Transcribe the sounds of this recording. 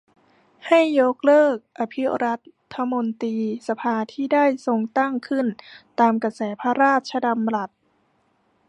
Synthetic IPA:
ha˥˩jːo˦˥k̚lɤː˥˩k̚ʔa˧pʰi˦˥ɾa˦˥t̪ʰːa˧mo˧nt̪iː˧sa˧pʰaː˧t̪ʰiː˥˩daː˥˩jso˧ŋt̪a˥˩ŋkʰɯ˥˩nt̪aː˧mka˧sɛː˩˦pʰa˧ɾaː˥˩t̪̚t͡ɕʰa˧da˧mla˨˩t̪̚

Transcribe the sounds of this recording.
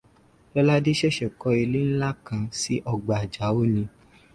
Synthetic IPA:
lɔ˦la˦de˦ʃɛ˦ʃɛ˨kɔ˧e˧le˦n̩˦la˦kã˧si˨˦ʔɔ˧ɡ͡ba˨d͡ʒa˨˦o˦nĩ˧

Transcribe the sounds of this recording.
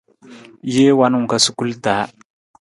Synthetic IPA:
je˦wa˦nu˨ka˦su˦ku˦lta˨˦

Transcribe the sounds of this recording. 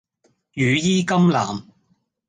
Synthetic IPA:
jyː˨˧jiː˥kɐ˥mla̰ː˨˩m

